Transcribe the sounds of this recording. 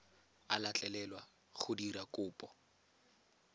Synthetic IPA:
alat͡ɬʼɛlɛlwa | χʊdiɾakʼʊːpʼɔ

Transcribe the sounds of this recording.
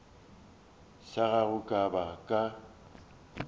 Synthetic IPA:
ʃaɣaɣʊkʼabakʼa

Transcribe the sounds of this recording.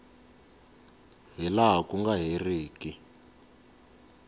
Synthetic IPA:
ɦilaɦakuŋɡaɦereːki

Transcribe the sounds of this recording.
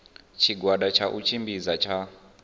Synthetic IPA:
t͡ʃʰiɡwaɗat͡ʃʰaʔut͡ʃʰimbizat͡ʃʰa

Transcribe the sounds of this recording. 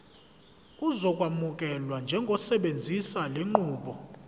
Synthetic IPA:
uzɔkʼwamukʼɛlwand͡ʒʱɛŋɡʱɔsɛɓend͡zʱisaleŋ͡ǃuːɓɔ

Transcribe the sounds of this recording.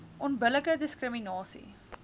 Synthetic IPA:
ʔɔnbələkədəskrəminɑːsḭ

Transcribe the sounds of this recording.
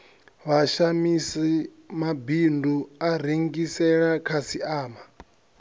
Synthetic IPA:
βaʃamisi | mabinduaɾ̤eŋɡisɛɺakʰasiaːma

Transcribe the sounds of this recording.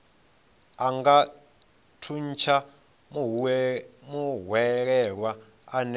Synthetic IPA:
aŋɡa | tʰunt͡ʃʰa | muɦwɛɺɛɺwa | an

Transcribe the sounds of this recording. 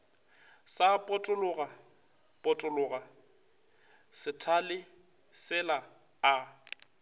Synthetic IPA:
sapʼʊtʼʊlʊɣa | pʼʊtʼʊlʊːɣa | sɪtʰalɪ | sɪla | a

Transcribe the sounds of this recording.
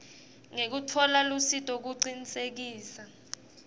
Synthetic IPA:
ŋek̬utʰɔlalusitʼok̬uǀinisek̬iːsa

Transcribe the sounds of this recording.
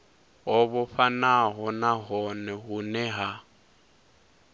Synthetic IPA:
ɦɔβʊɸanaɦɔnaɦɔnɛɦʊnɛɦa

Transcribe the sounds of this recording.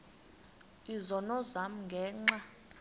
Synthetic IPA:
izɔnɔzam̩ŋɡʱɛːŋ͡ǁa

